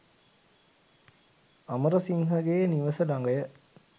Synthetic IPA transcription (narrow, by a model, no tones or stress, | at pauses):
ɐməɾɐsiŋɦɐɡeːniʋɐsəlɐŋɡɐjə